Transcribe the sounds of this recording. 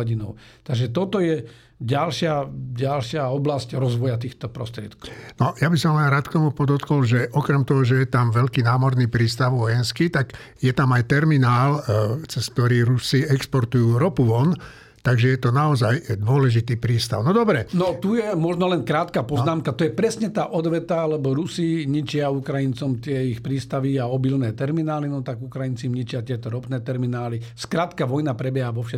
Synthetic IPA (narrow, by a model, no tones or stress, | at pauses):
ɟinɔ̰ʊt̪aɡʒɛt̪ɔt̪ɔjɛ | ɟalʃɪaɟalʃɪaɔblascɾɔzʋɔjat̪iːxt̪ɔpɾɔ̰st̪ɾɪɛt̪kɔnɔjabisɔmlɛnɾaːt̪kt̪ɔmupɔd̪ɔt̪kɔlʒɛʔɔkɾɛmt̪ɔɦɔʒɛjɛt̪amʋɛʎkiːnaːmɔɾniːpɾiːst̪aʊʋɔjɛnskit̪aɡ | jɛt̪amajt̪ɛɾminaːlt͡sɛsk̚t̪ɔɾiːɾusiɛkspɔɾt̪ujuːɾɔpuʋɔn | t̪aɡʒɛjɛt̪ɔnaɔzajd̪ʊɔlɛʒit̪iːpɾiːst̪a̰ʊnɔd̪ɔbɾɛnɔt̪ujɛmɔʒnɔlɛnkɾaːt̪kapɔznaːmkat̪ɔjɛpɾɛsɲɛt̪aːʔɔd̪ʋɛt̪aalɛbɔɾusiɲit͡ʃɪaukɾajint͡sɔmt̪ɪɛixpɾiːst̪aʋiaɔbilnɛːt̪ɛɾminaːlinɔt̪aɡukɾajint͡simɲit͡ʃɪat̪ɪɛt̪ɔɾɔpnɛːt̪ɛɾminaːliskɾaːt̪kaʋɔjnapɾɛbjɛɦaʋɔfʃɛ